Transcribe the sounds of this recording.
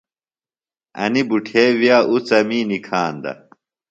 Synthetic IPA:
ɐ̰nibuʈʰeːwjaːʔut͡sɐmiːnikʰaːnd̪ɐ̰

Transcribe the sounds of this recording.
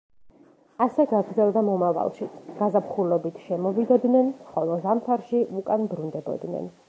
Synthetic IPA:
asɛɡaɡɾd̪zɛlˠd̪amɔmava̰lˠʃiɡ̥azapχulɔbit̪ʰʃɛmɔvid̪ɔd̪nɛnχɔlˠɔzamt̪ʰaɾʃiʔukʼanbɾund̪ɛbɔ̰d̪nɛ̰n

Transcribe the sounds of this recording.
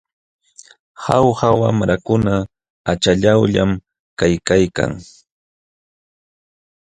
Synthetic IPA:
hawhawamɾakʊna | at͡ʃaʎawʎam | kajkajka̰ŋ

